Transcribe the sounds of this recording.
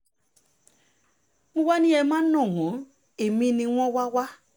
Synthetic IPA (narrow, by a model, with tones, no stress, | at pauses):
ŋ̩˦wa˦nĩ˦ɛ˧mã˦nɔ̃˦˨ŋɔ̃˨˦ | e˨mĩ˦nĩ˧wʷɔ̃˦wa˦wa˦